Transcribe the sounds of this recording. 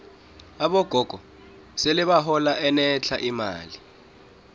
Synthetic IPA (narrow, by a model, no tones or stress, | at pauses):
aɓɔɡ̥ʱɔɡ̥ʱɔ | seliɓaɦɔlaʔɛnɛt͡ɬʰaʔima̰ːli